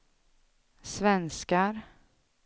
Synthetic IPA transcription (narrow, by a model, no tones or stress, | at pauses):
svɛnskaɾ